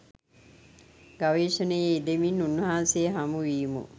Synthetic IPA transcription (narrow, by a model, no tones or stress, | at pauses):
ɡaʋeːʃənəjeid̪eminːunːəɦaːnsejəɦamuʋiːmṵ